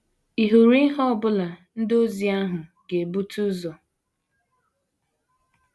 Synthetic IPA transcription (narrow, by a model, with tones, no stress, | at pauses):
i˨ɦu˨ɾi˦ɦɔ˦˨bʊ˦la˨n̩˦do˦zi˨a˦ɦʊ˨ | ɡe˨bu˦tu˦zɔ˨